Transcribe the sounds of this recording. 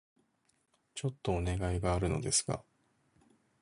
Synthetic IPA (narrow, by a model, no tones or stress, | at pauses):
t͡ɕo̞t̪ːo̞ːne̞ɡaiɡaːɾɯ̟no̞d̪e̞sɨ̥ka̰